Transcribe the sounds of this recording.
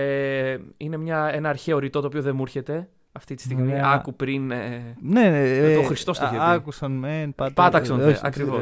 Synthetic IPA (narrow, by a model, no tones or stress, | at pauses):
eine̞mɲɐe̞nɐːɾçeoɾit̪o̞t̪oːpioðe̞muɾçe̞t̪e̞ | ɐft̪it̪i̥st̪iɣmiɐkupɾineneoxɾist̪o̞st̪oiɐɐkusɐnmenɐt̪pɐt̪ɐksɐnʔɐ̰kɾivos